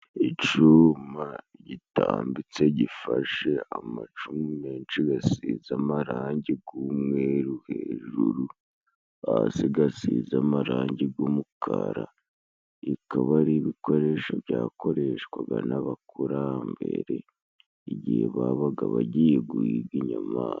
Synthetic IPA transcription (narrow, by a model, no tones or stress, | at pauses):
it͡ʃuma | ɟitaːmbit͡se̞ɟifaʃe̞amat͡ʃumime̞ːnt͡ʃiɡasizamaɾaːɲɟiɡumweɾuhe̞ʒuɾu | asiɡasizamaɾaːɲɟiɡomukʰaɾa | ikaβaɾiβiko̞ɾe̞ʃoβjaːko̞ɾe̞ʃkwaɡanaβakuɾambḛɾe | iɟiheβaβaɡaβaɟijeɡuiɡɡiɲamaː